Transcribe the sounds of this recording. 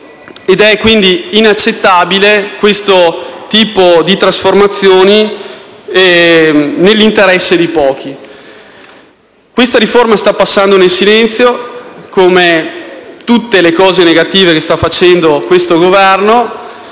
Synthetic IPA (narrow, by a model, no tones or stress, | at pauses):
ed̪ɛkwind̪iːnat͡ʃːet̪ːabilekwest̪ot̪iːpod̪it̪ɾasformat̪sːjoːni | nelːint̪eɾɛsːed̪ipɔːk̟ʰi | kwest̪aɾiformast̪apːasːand̪onelsilɛnt̪sjokome | t̪ut̪ːelekɔːzeneɡat̪iːvekest̪afːat͡ʃɛnd̪okwest̪oɡovɛrno